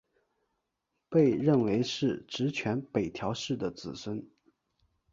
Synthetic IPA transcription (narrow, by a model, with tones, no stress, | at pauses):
pe˥˧ɪɻə˥˩nwe˧˥ɪʂɻ̩˥˩ʈ͡ʂɻ̩˧˥t͡ɕʰɥɛ˧˥npe˨˩ɪt̪ʰjɑ˧˥ʊʂɻ̩˥˩d̪ə˩t͡sɹ̩˨˩swə˥n